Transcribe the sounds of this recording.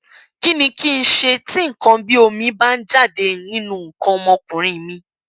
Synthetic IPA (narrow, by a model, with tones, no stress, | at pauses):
ki˦nĩ˧ki˦n̩˦ʃe˧tĩ˦ŋ̩˨kã˧˦bi˦o˧mĩ˧˦ba˦n̩˦d͡ʒa˦˨de˧˨nĩ˦nũ˧˦ŋ̩˨kã˧mɔ̃˧kũ˨ɾ̃ĩ˨mĩ˧